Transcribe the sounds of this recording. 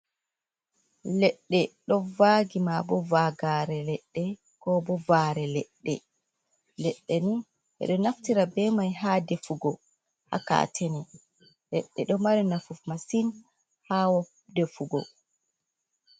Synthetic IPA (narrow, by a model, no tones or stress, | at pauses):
lɛɗːɛɗɔvaɡimabɔvaɡaːɾɛlɛɗːɛ | kɔbɔvaːɾɛlɛɗːɛ̰ | lɛɗːɛni | ʔɛ̰ɗɔnaftiɾabɛmajɦaːdefuɡɔ | ha̰ka̰ːtʰɛnɛ | lɛɗːɛɗɔmaɾinafufmasin | haːwɔ | defuɡɔ̰